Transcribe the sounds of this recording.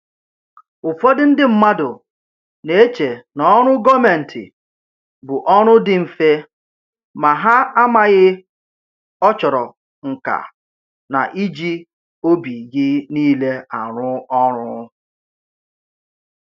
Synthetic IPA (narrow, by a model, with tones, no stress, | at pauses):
ʊ˨fɔ˦dɪ˦n̩˦dɪ˦m̩˦˨ma˦dʊ˨ | ne˨e˦t͡ʃe˨nɔ˨˦ɔ˦ɾ̃ʊ˦ɡɔ˦me˨n̩˨tʰɪ̰˨ | bʊ˨ʔɔ˦ɾ̃ʊ˦dɪ˨m̩˨fe˦ | ma˨ɦa˦a˦ma˨ɣɪ˦ | ɔ˦t͡ʃɔ˨ɾɔ˨ | ŋ̩˨ka̰˨ | na̰˨ʔi˦d͡ʒi˦ | o˦bi˨ɡɪ˦niː˦le˦a˨ɾʊ˦ɔ˦ɾʊ˦